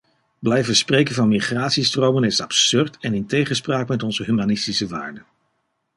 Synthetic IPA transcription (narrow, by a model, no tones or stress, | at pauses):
blɛjvəsprejkənvɑnmiχraːtsistrowmənɪsɑpsʏɹtʰɛnɪntejχənspraːkmɛtɔnzəɦymanɪstisəʋaːɹdə